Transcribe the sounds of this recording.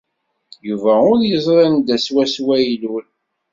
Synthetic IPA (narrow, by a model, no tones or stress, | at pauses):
juvæʊɾjəzˤɾˤɑnd̪æswæswæjlul